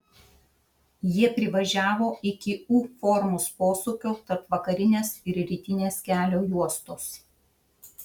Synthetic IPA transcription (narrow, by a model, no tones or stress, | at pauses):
jiɛpʲɾʲɪʋɐʒʲæːʋoːɪkʲɪuːfɔɾmʊspoːsʊkʲoːt̪ɐɾpʋɐkɐɾʲɪnʲeːsɪɾɾʲiːt̪ʲɪnʲeːskʲæːlʲoːjuɔst̪oːs